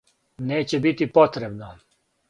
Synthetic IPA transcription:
neːt͡ɕebit̪ipot̪ɾebno

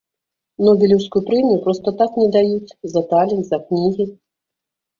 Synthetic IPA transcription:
nɔbʲɛlʲiwskujupɾɛmʲijupɾɔst̪ɐt̪aknʲɛd̪ajut͡sʲzɐt̪alʲɛnt̪zɐknʲiɣʲi

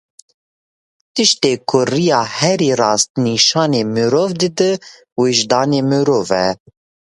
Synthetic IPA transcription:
t̪ɨʃt̪eːkʰʊrijɑːhɛɾiːrɑːst̪niʃɑːneːmɨɾoːvd̪ɨd̪ɨ | weʒd̪ɑːneːmɨɾoːvɛ̰

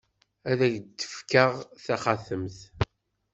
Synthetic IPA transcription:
æðæʝd̪ːə̥fkəʁθæχaθəmθ

